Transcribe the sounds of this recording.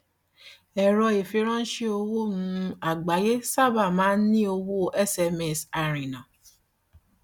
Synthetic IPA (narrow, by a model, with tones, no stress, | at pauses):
ɛ˨ɾɔ˧e˨fi˨˦ɾ̃ɔ̃˦n̩˦ʃe˦o˧wo˦nũ˧a˨ɡ͡ba˨je˦sa˦˨ba˦˨mãː˨˦nĩ˦o˧wo˦ʔɛ˦sɛ˧mɛ˦˨sa˨ɾ̃ĩ˨nã˨